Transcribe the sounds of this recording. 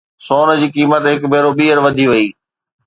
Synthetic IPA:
soːn̆d͡ʑiːkiːmət̪ɦɪkbʱeːɾoɓiːəɾʋɐd̪ʱiʋɐiː

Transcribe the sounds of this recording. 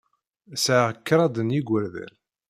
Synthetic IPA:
sʕaʁkːɾˤɑd̪ənjiɡʷəɾðæ̰l

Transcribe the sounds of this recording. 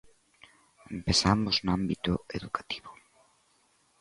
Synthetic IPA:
empesamʊznambit̪ʊeðukḁt̪i̥βʊ

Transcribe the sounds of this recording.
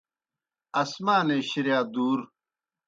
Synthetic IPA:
ɐsmaːneːɕiɾjaːd̪uːɾ

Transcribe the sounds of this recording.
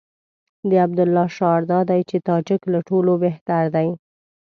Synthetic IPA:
d̪əabd̪ʊlːɑʃɑɾd̪ɑd̪ajt͡ʃet̪ɑd͡ʒaklaʈolobeht̪aɾd̪aj

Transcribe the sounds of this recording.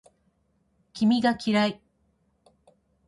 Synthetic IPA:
kʲimʲiɡakʲiɾai

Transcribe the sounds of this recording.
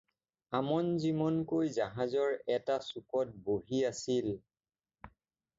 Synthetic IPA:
amɔnzimɔnkojzaɦazɔɹɛtasukɔt̚boɦiasil

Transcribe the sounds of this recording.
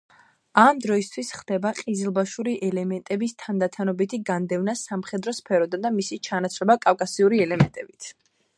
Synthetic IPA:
amd̪ɾɔist̪ʰwisχd̪̥ɛbaqʼizilˠbaʃuɾiʔɛlɛmɛnt̪ʼɛbist̪ʰand̪at̪ʰanɔbit̪ʰiɡand̪ɛvnasamχɛd̪ɾɔspʰɛɾɔd̪ad̪amisit͡ʃʰanat̪sʰɾɛbakʼafkʼasiuɾiɛlɛmɛnt̪ʼɛbit̪ʰ

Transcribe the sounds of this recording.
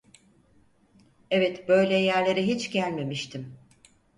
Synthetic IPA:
evɛt̪bø̞jlʲɛjæɾlʲe̞ɾiɦit͡ʃɟælʲme̞miʃt̪ʰim

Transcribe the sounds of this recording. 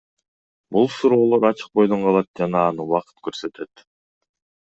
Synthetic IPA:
bulˠsuɾo̞ːlˠo̞ɾɑt͡ʃɯ̥q̚bo̞jd̪oɴqɑlˠɑt̪̚d͡ʒɑnɑːnɯwɑqɯ̥t̪køɾsø̞t̪e̞t̪

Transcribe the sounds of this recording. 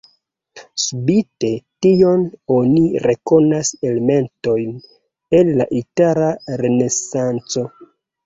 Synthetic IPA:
subite̞tio̞noniɾe̞ko̞naseleme̞nto̞jn | e̞nla̰ʔitaɾaɾene̞sant͡so̞

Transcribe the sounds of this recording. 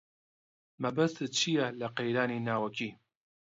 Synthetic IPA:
mɐbɐst̪ɨt͡ʃʰijɛlɐqejɾaːninaːwɐkʰiː

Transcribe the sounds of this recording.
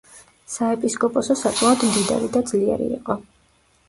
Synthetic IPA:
saɛpʼiskʼɔpʼɔsɔsakʼmaɔd̪md̪id̪a̰ɾid̪ad̪zliɛ̰ɾḭːqʼɔ

